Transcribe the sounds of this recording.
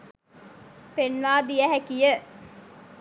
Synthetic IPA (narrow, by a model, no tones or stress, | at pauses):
penʋaːd̪ijæɦækijə